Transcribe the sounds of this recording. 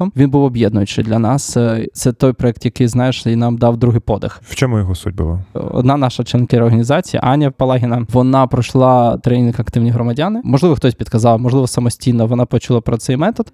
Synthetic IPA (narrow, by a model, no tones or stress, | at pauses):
ɔmʋʲinbuwɔbjɛd̪̚nʊjʊt͡ʃɪ̰d̪lʲɐnɑst̪sɛt̪ɔjpɾɔɛk̚t̪jɐkɪjznɑjeʃinɑmd̪ɑwd̪ɾuɦɪjpɔd̪ɪ̰xwt͡ʃɔmʊjɔɦɔsṵd̚ʲbʊ̰lˠa̰ɔ̰d̪nɑnɑʃɐt͡ʃɛnkɪɾɔrɦɐnʲizɑt͡sʲijɐ̰ʔɑnʲːɐpɐlˠɑɦʲɪnɐʋɔnɑpɾɔʃlˠɑt̪ɾɛnʲinkɐkt̪ɪwnʲijɦɾɔmɐdʲanɪmɔʒlɪʋɔxt̪ɔsʲpʲid̪kɐzɑlˠmɔʒlˠɪʋɔsɐmɔsʲtʲijnɔʋɔnɑpɔt͡ʃʊlˠɑpɾɔt̪sɛjmɛt̪ɔt̪